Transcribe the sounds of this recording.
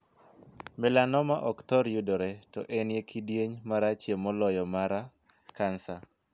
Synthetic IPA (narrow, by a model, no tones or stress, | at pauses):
mɛlanɔmaʔɔkt̪ɔɾjudɔɾetɔʔenjekʰidjeɲmaɾat͡ʃjemɔlɔjɔmaɾakansa